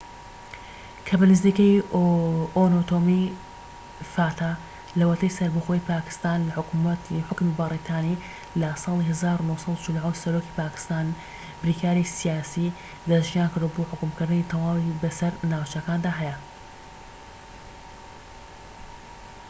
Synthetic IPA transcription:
kʰɐbɐnɨzikɐj | ʔonot̪omi | faːt̪ʰaː | lɐwɐt̪ʰɐjsɐɾbɨxoːjpaːkɨ̥st̪aːnlɐħʊkmt̪ħʊkmibɐrit̪ʰaːni | lɐsˤɑːlˠihɐzaːɾunohsˤɑd̪ut͡ʃɪlʕowsɐɾoki̥paːkɨ̥st̪aːn | bɾiːkʰaːɾisijaːsi | d̪ɐʒijaːnkɨɾd̪uboːħʊkʊmkɨɾd̪ɨnit̪ʰɐwaːwibɐsɐɾnaːwt͡ʃɐkaːnd̪aːɦɛjɐ

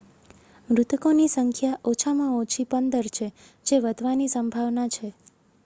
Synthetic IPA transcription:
mɾut̪konisəŋkʰjaʔot͡ʃʰamãõt͡ʃʰipənd̪əɾt͡ʃʰe | d͡ʒeʋəd̪ʱʋanisəmbʱaʋnat͡ʃʰe

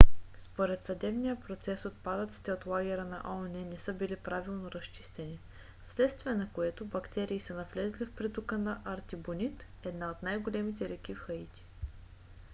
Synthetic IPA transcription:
spoɾɛt̪sɐd̪ɛbnijəpɾot̪sɛsot̪̚pad̪ət̪si̥t̪ɛot̪lˠaɡ̟ʲɛɾənɐ̰ʔɔnɛnɛsɤbilipɾavilˠnoɾɐst͡ʃi̥st̪ɛni | fslɛt̪st̪viɛnɐkoɛt̪obɐkt̪ɛɾiːsənɐvlɛzlifpɾit̪ukənɐʔɐɾt̪ibonit̪ | ɛd̪naot̪najɡolɛmit̪ɛɾɛkʲifxəit̪ʲi̥

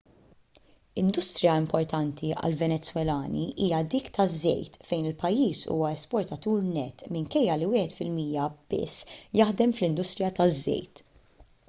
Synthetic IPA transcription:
ɪnd̪ʊst̪ɾɪjɐɪmpɔɾt̪ɐnt̪ʰiɐ̰lvɛnɛt͡sːwɛlɐːnḭʔiːjɐd̪iːkt̪ɐzːɛ̰jt̪fɛjnɪlpɐjːiːsṵːwɐɛspɔɾt̪ɐt̪uːɾnɛt̪ːmɪŋkɛjːɐliwɪːħɛt̪fɪlmiːjɐb̥ɪ̰sːjɐħd̪ɛmflɪnd̪ʊst̪ɾɪjɐt̪ɐzːɛ̰jt̪

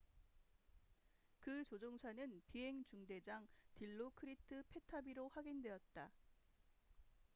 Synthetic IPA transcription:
kɯt͡ɕod͡ʑoŋsʰanɯnpiɦe̞ŋt͡ɕuŋde̞d͡ʑaŋtiɭːokʰɯɾitʰɯpʰe̞tʰabiɾoɸwaɡindwe̞ʌt̚t͈a

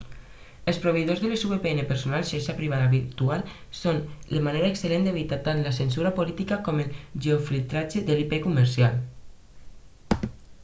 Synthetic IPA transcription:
elˠspɾoβ̞eiðozðelesuβepeɛnepeɾsonalˠʃaʃapɾiβ̞aðaβiɾt̪ual | sonlemaneɾaekselend̪eβit̪at̪anlasens̬uɾapolit̪ikakɔmelʒeoflilt̪ɾad͡ʒeðelipekuməɾsial

